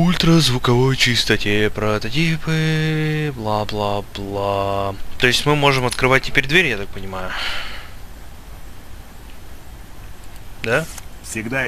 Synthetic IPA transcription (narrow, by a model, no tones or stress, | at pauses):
ulʲt̪ɾəzvʊkɐvo̞jt͡ɕɪst̪ɐtʲepɾət̪ɐtʲipɨ | blˠablˠablˠat̪o̞ɪsʲtʲmɨmo̞ʐɨmɐt̪kɾɨvat̚ʲtʲːɪpʲeɾʲd̪vʲeɾʲjat̪ak̚pənʲɪmajʊ | d̪afsʲɪɡd̪a